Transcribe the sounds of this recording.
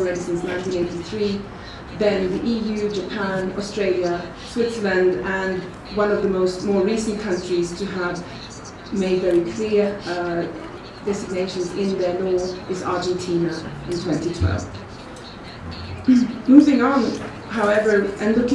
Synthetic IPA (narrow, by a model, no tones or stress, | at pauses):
ɹɛnɨsɪ̃nsnãɪ̃ntĩneɪtiθɹi | ðɨ̃nðiʔijʉd͡ʒəpʰæ̃nɔ̰stɹ̥eɪlˠjə | swɪtsəlɨ̃ndə̃n | wʌ̃nʌvðəmoʊst̚mɔːɹɹisn̩kʰʌ̃nt͡ʃɹ̥iz̥tʰɨəv | meɪdvɛɹikʰl̥ɪɹ | d̥ɛzɨɡ̚neɪʃə̃nzɪ̃nðənɔɨzɑ̰ɹd͡ʒ̃ntʰĩnəɪ̃ntʰw̥ɛ̃ntitʰw̥ɛ̰lˠv̥ | muvɪ̃ŋə̃n | ɦaʊɛvə˞ʔɨ̃nlʊk